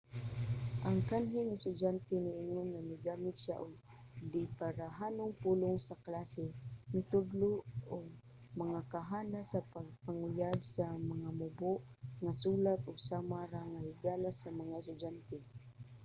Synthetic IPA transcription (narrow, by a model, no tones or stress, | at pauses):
ʔaŋkanɦɪŋɪst̪ʊd͡ʒant̪ɛnɪʔɪŋʊnnamɪɡaːmɪt̪̚ʃa̰ʔʊɡ | d̪ɪpaɾaɦaːnʊŋpuːlʊŋsaklasɛmɪt̪ʊɡlʊoɡ̚ | mɐŋakaɦaːnasapaɡ̚paŋʊjaɡsamɐŋamʊbʊʔ | ŋasuːlat̪ʊɡsaːmaɾaŋahɪɡaːlasamɐŋaɪst̪ʊd͡ʒant̪ɛ